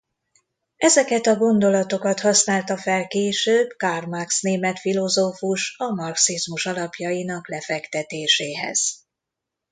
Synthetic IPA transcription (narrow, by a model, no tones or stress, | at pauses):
ɛzɛkɛt̪ɒɡo̞nd̪o̞lɒt̪o̞kɒt̪hɒsnaːlt̪ɒfɛlkeːʃøːbkarmaksneːmɛt̪filo̞zoːfuʃɒmɒrksizmuʃɒlɒpjɒjinɒklɛfɛkt̪ɛt̪eːʃeːɦɛ̰z̥